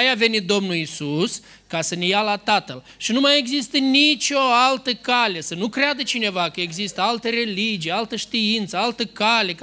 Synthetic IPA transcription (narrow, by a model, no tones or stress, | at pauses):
jave̞nit̪̚d̪o̞mnulisus | kasənejalat̪at̪əl | ʃinumaje̞ɡzist̪ənit͡ʃo̞alt̪əkale̞sənukɾead̪ət͡ʃine̞vakəe̞ɡzist̪əalt̪əɾe̞lid͡ʒijalt̪əʃt̪iint̪səalt̪əkale̞k